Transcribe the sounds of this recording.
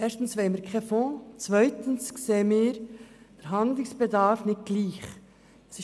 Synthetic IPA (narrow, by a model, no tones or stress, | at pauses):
ʔɛːɾstn̩sʋeɪməɾkχɛfɔ̃t͡svœʏtən̩skseːəmɪːɾd̥ɛɾɦɑnd̪lɪŋsb̥ɛdɑɾfnɪt̚ɡ̥liːχ | sɪ